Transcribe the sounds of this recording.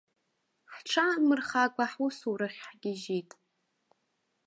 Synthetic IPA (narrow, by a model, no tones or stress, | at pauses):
ħʈ͡ʂʰamɨrχakʷʼaħwʊsuɾaχʲħɡʲɪʒitʼ